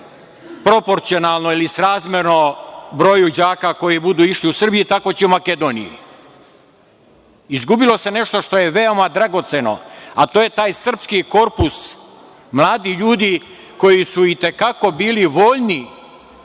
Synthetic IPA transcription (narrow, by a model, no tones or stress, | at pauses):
pɾo̞po̞ɾt̪sio̞naːlˠnoilisɾaːzmʲjeɾnobɾo̞ːjud͡ʑaːkako̞jibud̪uːiʃliusr̩bijit̪ako̞t͡ɕiumake̞d̪o̞nḭjḭ | izɡubilo̞se̞ne̞ʃt̪o̞ʃt̪o̞je̞ʋe̞o̞mad̪ɾaɡo̞t̪se̞no̞̰at̪oːje̞t̪aːjsr̩pskiko̞ɾpus | mlˠaːd̪iʎuːd̪i | ko̞jisuit̪e̞kako̞biːliʋo̞ːʎni